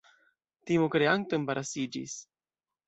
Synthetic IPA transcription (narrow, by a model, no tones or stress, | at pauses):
t̪imokɾeant̪onbaɾasid͡ʒḭs